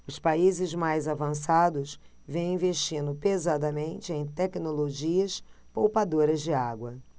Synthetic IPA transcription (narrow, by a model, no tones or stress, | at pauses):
ʊspaizɪzmajzavɐ̃sad̪ʊs | vẽj̃ĩveʃt͡ʃĩnd̪ʊpezad̪ɐmẽnt͡ʃɪẽj̃t̪ɛknoloʒiɐspowpad̪oɾɐzd͡ʒɪaɡwɐ